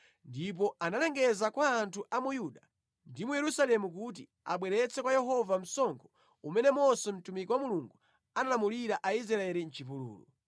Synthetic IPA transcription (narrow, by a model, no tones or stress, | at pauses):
ndip̬ɔanalɛŋɡɛzakwaːntʰuʔamujuɗa | ndimujɛɾusalɛmuk̬ut̬i | a̰ɓwɛɾɛt͡sɛkwajɛɦɔvam̩sɔŋkʰɔ̥ | umɛnɛmɔsɔm̩tumikɔwamuluŋɡu | analamuliɾaʔaizɾaaɛɾin̩t͡ʃip̬ulṵːlṵ